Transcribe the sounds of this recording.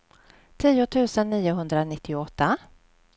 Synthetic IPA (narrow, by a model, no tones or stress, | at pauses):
t̪ʰiːʊt̪ʰʉ̟ːsənːiːʊɦɵnd̪ɾanɪt̪ːɪɔt̪ːa